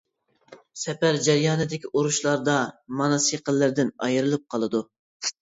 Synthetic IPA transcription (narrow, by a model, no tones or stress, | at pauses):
sɛpæɾd͡ʒɛɾjɑːnɨd̪ɪkʲiʔoɾuʃlˠɑɾd̪ɑmɑnɑsiqəlːɪɾd̪ɪnɑ̰jɨɾɨlˠɨp̚qʰɑlˠɨd̪u